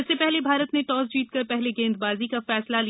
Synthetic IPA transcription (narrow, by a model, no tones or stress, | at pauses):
ɪsːepɛɦlebʱaːɾət̪neʈɔːzd͡ʒiːt̪̚kɐɾpɛɦleɡẽːnd̪baːzikafɛːslali